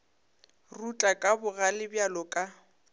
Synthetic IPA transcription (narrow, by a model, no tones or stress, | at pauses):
rut͡ɬʼakʼabʊɣalɪbjalɔkʼa